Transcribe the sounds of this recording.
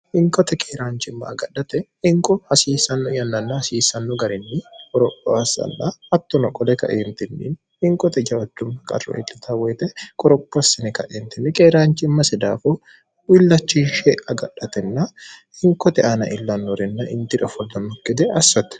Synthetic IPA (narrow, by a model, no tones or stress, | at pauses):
hɪŋkʼɔt̪ɛkʰʼeːɾaːnt͡ʃɪmːɐ̰ːɡɐᶑːɐt̪ɛ | ɪŋkʼɔhɐsiːsɐnːʊjɐnːɐnːɐhɐsiːsɐnːʊɡɐɾɪnːɪkʼɔɾɔpʼːɔ̰ɐsɐ̰nːɐɐt̪ːɔnɔkʼɔlɛkɐ̰ʔeːnt̪ɪnːḭn | ɪŋkʼɔt̪ɛd͡ʒɐɔd̪ːʊmːɐkʼɐ̰ɾɔ̰ʔɪ̰t̪ːɪt̪ʰɐwɛːt̪ɛkʼɔɾɔpʼːɔsɐnɪkɐʔeːnt̪ɪnːɪkʼeːɾaːnt͡ʃɪmːɐsɛd̪aːfɔ | wɪlːɐt͡ʃːinʃeɐɡɐᶑːɐt̪ɛnːɐhɪŋkɔt̪ɛʔanɐ̰ʔɪlːɐnːɔɾɛnːɐʔɪ̰nt̪ɪᶑɐfɔlːɐmɔkːɪd̪ɛʔɐsːɐt̪ɛ̥